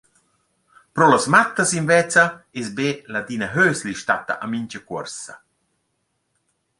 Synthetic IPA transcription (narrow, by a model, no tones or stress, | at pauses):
pɾɔlasmat̪ːɐsinvɛt͡sɐesbeːlad̪inɐɦøːsliʃtat̪ɐ̰ʔamiɲt͡ʃɐkwɔ̰ɾsɐ